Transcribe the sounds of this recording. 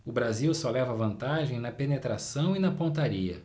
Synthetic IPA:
ʊbɾaziwsɔlɛvɐvɐ̃nt̪aʒẽj̃nɐpenet̪ɾasɐ̃w̃inɐpõt̪aɾiɐ̰

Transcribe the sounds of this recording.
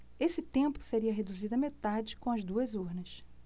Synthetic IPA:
esɪt̪ẽmpʊ̥seɾiɐɦed̪uzid̪ʊɐmet̪ad͡ʒɪkõɐzd̪uɐzuɾnɐs

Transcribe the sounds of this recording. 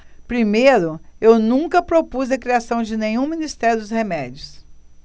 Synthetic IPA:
pɾimejɾʊewnũkɐpɾopuzɐkɾiasɐ̃w̃d͡ʒɪnẽɲũminist̪ɛɾjʊd̪ʊshemɛd͡ʒjʊs

